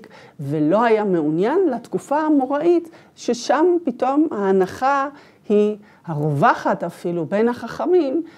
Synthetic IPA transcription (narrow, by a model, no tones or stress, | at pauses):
kvelo̞ɦajame̞unjanlatkufaamoʁaʔit̪ | ʃeʃampito̞maːnaχa | hi | haʁovaχatafilube̞nhaχaχamim